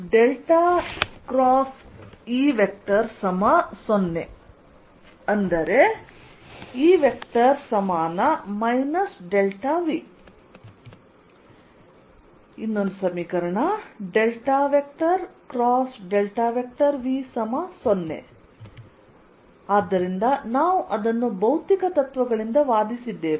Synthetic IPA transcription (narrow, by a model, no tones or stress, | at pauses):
ɖelʈaːkɾaːsiːʋek̚ʈ̪ɐɾsɐmasonːe | ɐnd̪ɐɾe | iːʋjekt̪ɐɾsɐmaːnɐmɐjnɐsɖelʈaːʋi | inːond̪usɐmiːkɐɾɐɳɐɖelʈaːʋek̚ʈɐɾkɾaːsɖelʈaːʋjek̚ʈɐɾʋiːsɐmaːsonːḛ | aːd̪ːɐɾind̪ɐnaːʋuʔɐd̪ɐnːubɐwt̪ikɐt̪ɐt̪ʋɐɡɐɭind̪ɐʋaːd̪isid̪ːe̞ːʋe